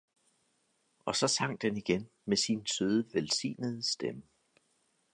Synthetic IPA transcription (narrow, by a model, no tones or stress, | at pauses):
ɒ̽sɒ̽sɑ̈ŋ̰d̥eniɡ̥en | mesinsøð̞ˠəʋelsḭːnəð̞̩ˠsd̥emə